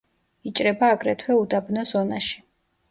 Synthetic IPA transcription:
it͡ʃʼɾɛbaːɡɾɛt̪ʰwɛud̪abnɔsɔnaʃi̥

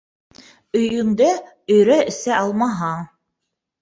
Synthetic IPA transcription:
ɵ̆jɵ̆ŋd̪ɘ | ɵ̆jɾæɘ̆sæɑlˠmɑɦɑ

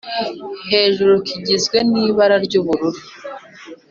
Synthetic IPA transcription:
he̞ːʒuɾokʰiɟizɡwe̞niːβaɾaɾɟuβuɾuɾu

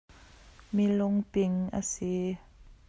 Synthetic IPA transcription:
milʊŋpɪŋʔə̰si

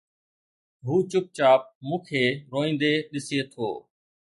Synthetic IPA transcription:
ɦuːt͡ʃʊp̚t͡ʃaːp̚mũːkʰeːɾoːĩːnd̪eːɗɪsieːt̪ʰo̰ː

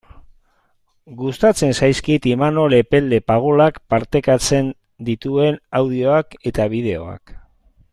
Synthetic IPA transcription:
ɡust̪at͡se̞nsajskit̪imano̞le̞pe̞ld̪e̞paɣ̞olakpaɾt̪e̞kat͡se̞n | d̪it̪ue̞nawð̞io̞ake̞t̪aβ̞ið̞e̞o̞̰a̰k

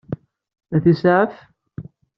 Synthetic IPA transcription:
æθisʕəf

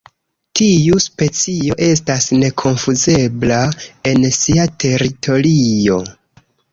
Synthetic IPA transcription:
tijuspe̞t͡sijo̞ʔe̞s̬tasne̞kʰo̞nfuze̞blae̞nsiatʰe̞ɾitʰo̞ɾijo̞

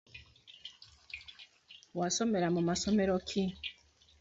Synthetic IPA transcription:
wasomeɾamumasomeɾokʰi

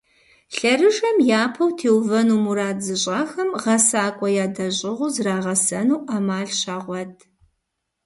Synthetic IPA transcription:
ɬɐɾɨʒɐmjaːpʰɐwtʰeːwvɐnuːmuɾaːzɨɕʼaːxɐmʁɐsaːkʷʼɔjaːdɐʑʼɪʁʷʊzraːʁɐsɐnuwʔaːmaːɮɕaːʁʷɔtʼʰ

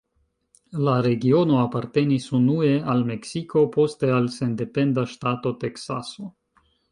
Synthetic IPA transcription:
laɾe̞ɡio̞no̞apaɾte̞nisunue̞alme̞ksikʰo̞po̞ste̞alse̞nde̞pe̞ndaʃtato̞te̞ksaso̞

